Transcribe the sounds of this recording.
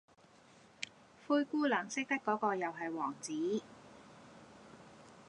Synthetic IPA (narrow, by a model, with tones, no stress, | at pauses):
fuː˧jkuː˥lɐː˨˩ŋsɪ˥k̚t̪ɐ˥kːɔː˨˥kɔː˧jɐ˨wɦɐ˨jwɔː˨˩ŋt͡siː˨˥